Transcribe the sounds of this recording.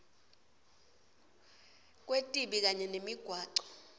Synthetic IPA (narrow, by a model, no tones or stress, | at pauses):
k̬ʼwetʼiɓik̬aɲɛnemiɡ̥ʱwaːǀɔ̥